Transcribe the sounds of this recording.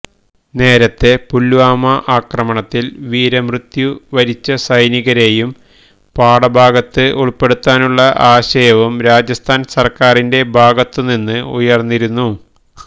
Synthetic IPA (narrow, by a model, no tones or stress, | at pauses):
ne̞ːɾɐt̪ːe̞pulːuʋaːmɐʔaːkrɐmɐɳɐt̪ːilʋiːɾɐmrɨt̪juʋɐɾit͡ɕːɐsɐjniɣɐɾe̞jum | paːɽɐbʱaːɡɐt̪ːɨʔuɭpe̞ɽut̪ːaːnuɭːɐʔaːɕɐjɐʋumɾaːd͡ʑjɐst̪ʰaːnsɐrkaːrinde̞bʱaːɡɐt̪ːɨninːɨujɐrnːiɾunːu